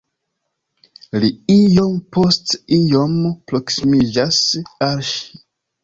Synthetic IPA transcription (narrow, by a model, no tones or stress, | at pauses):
liijo̞mpo̞stijo̞mpɾo̞ksimid͡ʒasalʃi̥